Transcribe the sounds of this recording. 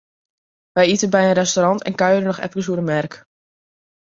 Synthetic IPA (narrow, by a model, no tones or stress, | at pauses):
ʋɛjitəbɛjənrɛstoɾɑntʰɛ̰nkœɥəɾənɔxɛ̰fəkəs̬uəɾəmɛrk